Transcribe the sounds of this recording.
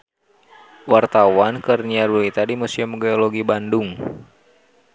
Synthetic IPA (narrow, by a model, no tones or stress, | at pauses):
wart̪awankərniaɾulit̪adimusiəmɡeoloɡibanduŋ